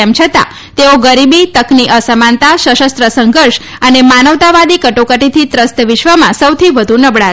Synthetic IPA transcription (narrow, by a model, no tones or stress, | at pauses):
ɛmt͡ʃʰət̪a̰ | t̪eoɡəɾibit̪əkniʔəsəmant̪aʃəʃəst̪ɾəsəŋɡʱəɾʃ | ənemanəʋt̪aʋad̪ikəʈokəʈit̪ʰit̪ɾəst̪ʋɪʃʋəmãsəwt̪ʰiʋəd̪ʱũnəbɭa